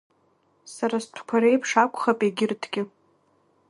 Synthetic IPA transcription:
saɾastʷʰkʷʰaɾe̞jpʰʂakʷʰʼχapʼeɡʲɪrtʰɡʲɪ

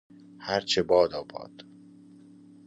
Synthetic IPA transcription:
hæɾt͡ʃʰebɒːd̪ɒːbɒ̰ːd̪̥

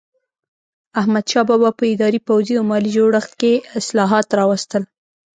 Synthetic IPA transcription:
ahmad̪ʃɑbɑbɑpəɪd̪ɑɾipawziawmɑlid͡ʒoɽəxt̪̚keɪslɑɦɑt̪ɾɑwast̪əl

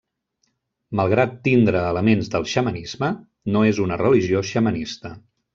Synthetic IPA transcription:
məlˠɣɾat̪ːind̪ɾəːləmenzðəlˠʃəmənizmə | noezunərəliʒioʃəmənist̪ə

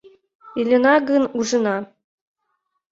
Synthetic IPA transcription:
ilʲĕnɑɡɤnuʒɤ̆nɑ

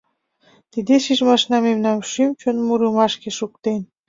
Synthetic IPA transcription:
t̪id̪eʃiʒmɑʃnɑmemnɑmʃymt͡ɕonmuɾəmɑʃkeʃukt̪en

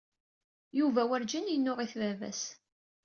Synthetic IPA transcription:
juvæwæɾd͡ʒənjənːʊʁiθvævæ̰s

